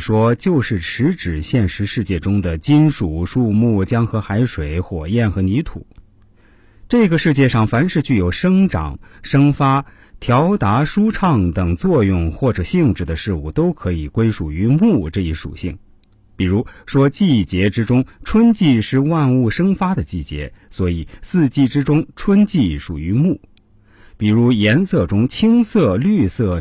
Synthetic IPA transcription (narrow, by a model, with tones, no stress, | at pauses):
ʂwɔ˥t͡ɕjo˥˧ʊʂɻ̩˥˩ʈ͡ʂʰɻ̩˧˥ʈ͡ʂɻ̩˨˩ɕjɛ˥˩nʂɻ̩˧˥ʂɻ̩˥˧t͡ɕjɛ˥˩ʈ͡ʂʊ˥ŋd̪ə˨˩t͡ɕi˥nʂu˨˩ʂu˥˧mu˥˩t͡ɕjɑ˥ŋxɤ˧˥xa˧˥ɪʂwe˨˩ɪxwɔ˨˩jɛ˥˩nxɤ˧˥ni˧˥t̪ʰṵ˨˩˦ | ʈ͡ʂɤ˥˩ɡə˩ʂɻ̩˥˧t͡ɕjɛ˥˧ʂɑ˥˩ŋfa˧˥nʂɻ̩˥˧t͡ɕy˥˩jo˨˩ʊʂɤ˥ŋʈ͡ʂɑ̰˨˩˦ŋʂɤ˥ŋfa˥ | t̪ʰjɑ˧˥ʊt̪a˧˥ʂu˥ʈ͡ʂʰɑ˥˩ŋt̪ɤ˨˩ŋt͡swɔ˥˧jʊ˥˧ŋxwɔ˥˩ʈ͡ʂɤ˨˩ɕi˥˧ŋʈ͡ʂɻ̩˥˩d̪ə˩ʂɻ̩˥˧u˥˩t̪o˥ʊkʰɤ˧˥i˨˩kwe˥ɪʂu˨˩y˧˥mu˥˩ʈ͡ʂɤ˥˧i˥˩ʂṵ˨˩ɕi˥˩ŋ | pi˨˩ɻu˧˥ʂwɔ˥t͡ɕi˥˩t͡ɕjɛ˧˥ʈ͡ʂɻ̩˥ʈ͡ʂʊ˥ŋʈ͡ʂʰwə˥nt͡ɕi˥˧ʂɻ̩˥˧wa˥˧nu˥˩ʂɤ˥ŋfa˥d̪ə˨t͡ɕi˥˩t͡ɕjɛ̰˧˥swɔ˧˥i˨˩˦sɹ̩˥˧t͡ɕi˥˩ʈ͡ʂɻ̩˥ʈ͡ʂʊ˥ŋʈ͡ʂʰwə˥nt͡ɕi˥˩ʂu˨˩y˧˥mu˥˩ | pi˨˩ɻu˧˥jɛ˧˥nsɤ˥˩ʈ͡ʂʊ˥ŋt͡ɕʰi˥ŋsɤ˥˧ly˥˧sɤ˥˩